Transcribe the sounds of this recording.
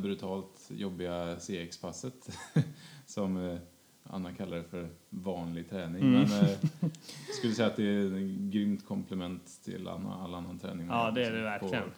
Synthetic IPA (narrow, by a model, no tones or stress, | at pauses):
bɾʉt̪ʰɑːlt̪jɔbːɪɡaseːɛkspʰasːət̪ | sɔm | a̰nːakʰalːaɾfœɾvɑːnlɪɡ̚t̪ʰɾɛːnɪŋmɛn | jɑskɵlːəsɛjat̪̚d̪ɛɡɾʏmt̪kʰɔmpʰlɛmɛnt̪ʰːɪ̰la̰nːa̰alːaanːant̪ʰɾɛ̰ːnɪŋɑːd̪ɛæɖɛvæɾpʰɔlɪən